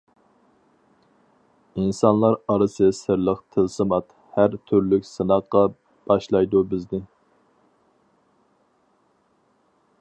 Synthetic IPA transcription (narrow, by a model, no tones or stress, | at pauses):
insɑnlˠɑɾɑɾɨsɨsɨɾlˠəqt̪ʰɨlsɨmɑt̪ | hæɾt̪ʰyɾlykʲsɨnɑqqːɑ | b̥ɑʃlˠɑjd̪ubɪznɪ